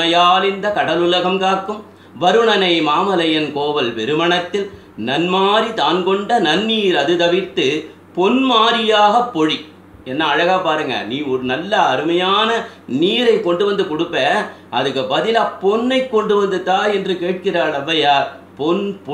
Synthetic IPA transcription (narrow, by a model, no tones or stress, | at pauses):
ɐjaːlɪnd̪ɐkɐɽɐlʊlɐɣɐmkaːɾkːɯm | ʋɐɾɯɳɐnɐɪmaːmɐlɐjɐnkoːʋɐlpɛɾɯmɐɳɐt̪ːɪl | nɐnmaːɾit̪aːnkɔɳɖɐnɐnːiːjɪɾɐðɯt̪ɐʋɪt̪ːɯ | pɔnmaːɾɪjaːɣɐpːɔɻi | ɛnːɐːɻɐɣapaːɾɯŋɡɐ̰niːɔɾɯnɐlːɐːɾɯmɐjaːnɐniːɾɐɪkːɔɳɖɯʋɐnd̪ɯkɔɽɯpːɐːʔɐðɯkːɯbɐðɪlɐpːɔnːɐɪkːɔɳɖɯʋɐnd̪ɯt̪ːaːɛndrɯkeːʈ̚kɪraːɾɐʋːɐjaː | pɔnp